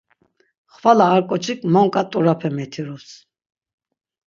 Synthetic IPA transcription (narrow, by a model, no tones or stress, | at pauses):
χvalaːɾkʼɔt͡ʃʰikʼmɔŋkʼat̪ʼuɾapʰɛmɛt̪ʰiɾus